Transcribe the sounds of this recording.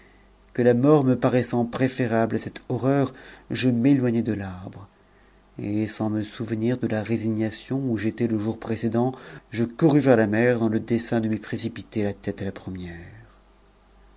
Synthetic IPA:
kəlamɔʁməpaʁɛsɑ̃pχefeʁablasɛt̪ɔʁœʁʒəmelwaɲɛd̪əlaʁbʁ | esɑ̃məsuvəniʁd̪əlaʁeziɲasjɔ̃uʒet̪ɛləʒuʁpχesed̪ɑ̃ʒəkuʁyvɛʁlamɛʁd̪ɑ̃ləd̪esɛ̃d̪əməpχesipit̪elat̪ɛt̪alapχəmjɛʁ

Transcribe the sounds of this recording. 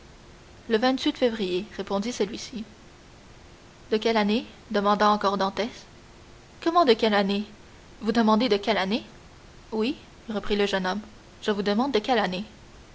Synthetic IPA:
ləvɛ̃t̪ɥit̪fevʁijeʁepɔ̃d̪isəlɥisi | d̪əkʲɛlane | d̪əmɑ̃d̪ɑ̃ɑ̃kɔʁd̪ɑ̃t̪ɛs | kɔmɑ̃d̪əkʲɛlane | vud̪əmɑ̃d̪ed̪əkʲɛlane | wi | ʁəpχiləʒənɔm | ʒ̥əvud̪əmɑ̃d̪̚ːəkʲɛlane

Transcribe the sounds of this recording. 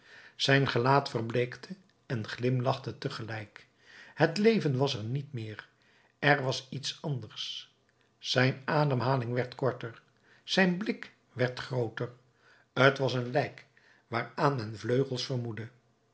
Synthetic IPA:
z̥ɛjnχəlaːtfərblejktʰə | ɛnχlɪmlɑχtətəχəlɛjk | hətlejvənʋɑsɛɹnitmɪːr | ɛrʋɑsitsɑndərsː | ɛjnaːdəmɦaːlɪŋʋɛɹtkɔɹtəɹ | z̥ɛjnblɪk | ʋɛɹtχrowtər | ətʋɑsənlɛjk | ʋaːɹaːnmɛnvløɥχəlˠsfərmudə

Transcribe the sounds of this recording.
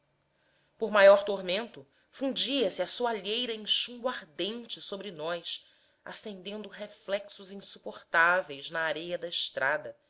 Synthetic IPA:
poɾmajɔɾt̪oɾmẽnt̪ʊ | fũd͡ʒiɐsɪɐsuaʎejɾɐẽŋʃũmbʊaɾd̪ẽnt͡ʃɪsobɾɪnɔjs | a̰sẽnd̪ẽnd̪ʊɦeflɛksʊzĩŋsu̥poχt̪avejznɐːɾejɐd̪ɐɪʃt̪ɾʔad̪ɐ

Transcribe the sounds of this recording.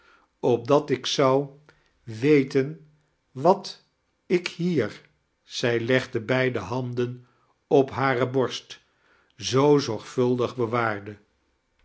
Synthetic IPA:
ɔb̚dɑtɪksɑw | ʋejtən | ʋɑt | ɪkhiːɹ | z̥ɛjlɛχdəbɛjdəɦɑndən | ɔpɦaːrəbɔɹst | zowzɔɹχfɵlˠdəχbəʋaːɹdə

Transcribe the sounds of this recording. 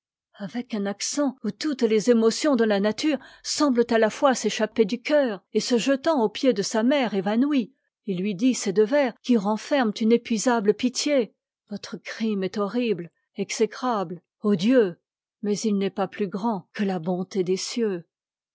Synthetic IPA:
avɛkɛ̃naksɑ̃ut̪ut̪lezemɔsjɔ̃d̪əlanat̪yʁsɑ̃blət̪alafwaseʃaped̪ykʲœːʁesəʒət̪ɑ̃opjed̪əsamɛʁevanwi | ilːɥid̪ised̪əvɛʁkʲiʁɑ̃fɛʁmt̪ynepɥizabləpit̪je | vɔt̪χəkχimɛt̪ɔʁibl | ɛksekχabl | od̪jø | mɛzilnɛpaplyɡʁɑ̃kəlabɔ̃t̪ed̪esjø

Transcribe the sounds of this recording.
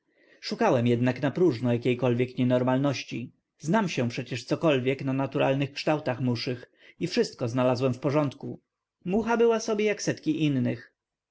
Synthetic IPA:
ʂukawɛmjɛd̪naknapɾuʐnɔjakʲejkɔlvʲjɛkɲɛnɔɾmalnɔɕt͡ɕi | znamɕɛ̃pʂɛt͡ɕɛʂt̪sɔkɔlvʲjɛknanat̪uɾa̰lnɘxkʂt̪awt̪axmuʂɘx | ifʂɘst̪̚kɔznalazwɛmfpɔʐɔnt̪ku | muxabɘwasɔbʲjejaksɛt̪kʲiʔinːɘx

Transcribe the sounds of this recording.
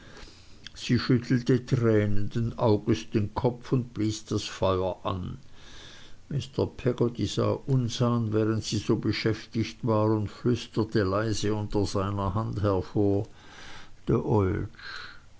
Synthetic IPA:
z̥iːʃʏtʰl̩tətʁɛːnənd̥enʔaʊɡəsd̥enkʰɔpfʊnd̚b̥liːsd̥asfɔʏɐʔa̰n | mɪstɐpʰɛɡotiz̥a̰ːʔʊnzaːnvɛːʁəntsiːzoːbəʃɛftɪçtvaːʁʊntflʏstətəlaɪzəʊntɐzaɪnɐhanthɛɐfoːɐ | d̥eːɐʔɔlt͡ʃ

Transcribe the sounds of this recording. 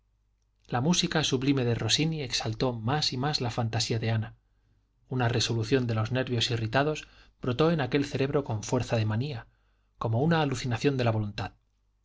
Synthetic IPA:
lamusikasuβlime̞ðero̞sinie̞ksalt̪o̞masimazlafant̪asiaðe̞ana | unare̞so̞luθjo̞nd̪e̞lo̞zne̞ɾβjosirit̪að̞o̞sb̥ɾot̪o̞e̞nake̞lθe̞ɾe̞βɾo̞ko̞ɱfwe̞ɾθaðe̞mania | ko̞mounaːluθinaθjo̞nd̪elaβo̞lunt̪að

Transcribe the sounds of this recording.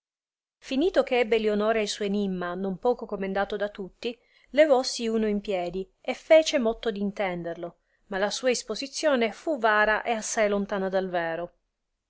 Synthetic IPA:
finiːt̪okeɛbːelionoːɾeajsɔjenimːanompɔːkokomend̪aːt̪od̪at̪ːut̪ːi | levɔsːiuːnoimpjɛːd̪i | efːɛːt͡ʃemɔt̪ːod̪int̪ɛnd̪erlo | malasuːaispozit̪sːjoːnefuvaːɾaʔeasːajlont̪aːnad̪alvɛːɾo

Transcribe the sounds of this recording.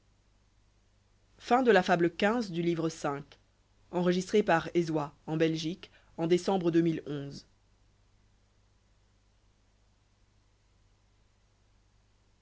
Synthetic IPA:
fɛ̃d̪əlafabləkʲɛ̃zd̪ylivʁəsɛ̃k | ɑ̃ʁəʒist̪χepaʁezwaɑ̃bɛlʒik | ɑ̃d̪esɑ̃bʁəd̪ømilɔ̃z

